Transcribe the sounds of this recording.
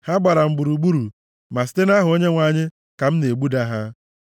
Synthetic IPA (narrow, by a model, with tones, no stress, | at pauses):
ha˦ɡ͡ba˨ɾa˨m̩˨ɡ͡bu˨ɾu˨ɡ͡bu˦ɾu˨ | ma˨si̥˦te˦na˦ɦʊ˨o˦ɲe˦ŋʷa˨ɲɪ˦ | ka˨m̩˦ne˨ɡ͡bu˦da˦ɦa˦